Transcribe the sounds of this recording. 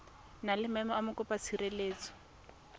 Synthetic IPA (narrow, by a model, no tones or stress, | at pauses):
nalɪmɛmɔamʊkʊpat͡sʰireleːt͡sɔ̥